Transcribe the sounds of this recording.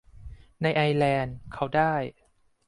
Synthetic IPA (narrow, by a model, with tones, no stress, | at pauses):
na˧jʔa˧jlɛː˧nkʰa˦˥wdaː˥˩j